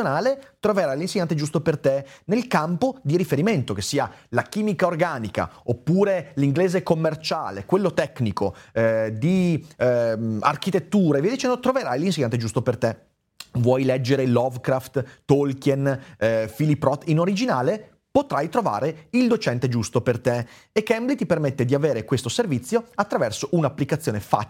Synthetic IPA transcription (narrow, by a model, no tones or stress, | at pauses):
onaːlet̪ɾoveɾajlinseɲːant̪ed͡ʒust̪opert̪enelkampod̪iɾifeɾiment̪okesːiːalakiːmikaorɡaːnika̰opːuːɾeliŋɡleːzekomːert͡ʃa̰ːlekwelːot̪ɛknikod̪i | a̰rk̟it̪et̪ːuːɾeviajd̪it͡ʃɛnd̪ot̪ɾoveɾajlins̬eɲant̪ed͡ʒust̪opert̪e | vwɔjlɛd͡ʒːeɾelɔvkɾaft̪ːolkenfilipːɾɔt̪ːinoɾid͡ʒinaːle | pot̪ɾajt̪ɾova̰ːɾeild̪ot͡ʃɛnt̪ed͡ʒust̪opert̪e | ekːɛmblit̪ipermet̪ːed̪iaveːɾekwest̪oservit̪sːjoat̪ːɾavɛrsoʔunapːlikat̪sːjoːnefa̰